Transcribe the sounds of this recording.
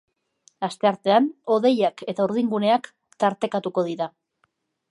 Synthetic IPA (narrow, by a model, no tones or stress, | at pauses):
ast̪e̞aɾt̪e̞ano̞ðe̞jake̞t̪auɾð̞iŋɡune̞ak | t̪aɾt̪e̞kat̪uko̞ð̞iɾa